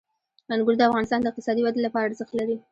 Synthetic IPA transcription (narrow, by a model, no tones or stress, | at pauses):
manɡʊld̪əafɣɑnɪst̪ɑnd̪əɪq̚t̪ɪ̥sɑd̪iwad̪elapɑɾaɾzəxt̪laɾi